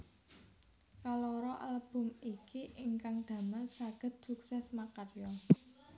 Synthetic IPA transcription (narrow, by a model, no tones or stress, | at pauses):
kalɔɾɔʔə̰ləb̥ʊ̤mikiʔɪŋkaŋɖ̪̥ä̤məlsaɡ̥ə̤t̪̚suksɛsmakarjɔ